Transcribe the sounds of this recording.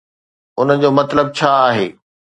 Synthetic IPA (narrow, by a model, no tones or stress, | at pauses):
ʊnəd͡ʑoːmɐt̪ləb̚t͡ɕʰaːaːɦeː